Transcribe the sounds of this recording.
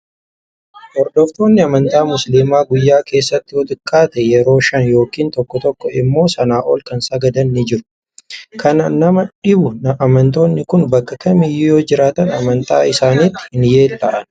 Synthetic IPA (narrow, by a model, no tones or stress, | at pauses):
ʔɔɾd̪ɔft̪o̞ːnːɪɐmɐnt̪aːmʊsliːmaːɡʊjːaːke̞ːsːɐt̪ːɪwɔt̪ʼɪkʼːaːt̪ɛjɛɾo̞ːʃɐnjo̞ːkiːnt̪ɔkːɔt̪ɔkːɔɪmːo̞ːsɐnaːʔoːlkɐnsɐɡɐd̪ɐnːɪd͡ʒɪɾʊ̥ | kɐnaːnnɐmɐᶑɪbʊnɐʔɐmɐnt̪o̞ːnːɪkʊnbɐkːɐkɐmɪjɪjo̞ːd͡ʒɪɾaːt̪ɐnɐmɐnt̪aːɪsaːnit̪ːɪ̥hɪnje̞ːlt̪ɐʔɐn